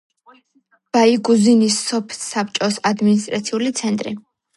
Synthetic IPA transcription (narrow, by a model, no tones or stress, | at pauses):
b̥aiɡuzinisːɔpʰɛ̥apʰt͡ʃʼɔsad̪minis̬t̪ʼɾa̰t̪sʰiulit̪sʰɛnt̪ʼɾḭ